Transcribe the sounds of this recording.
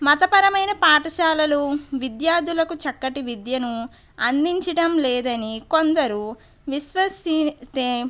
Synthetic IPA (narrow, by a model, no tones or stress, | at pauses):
mɐt̪ɐpɐɾɐmɐjnɐpaːʈɐʃaːlɐluʋid̪jaːɾd̪ulɐkut͡ʃɐkːɐʈiʋid̪jɐnu | ɐnd̪iɲt͡ʃɐɽɐmlɛːd̪ɐniko̞nd̪ɐɾu | ʋiʃʋɐsit̪eː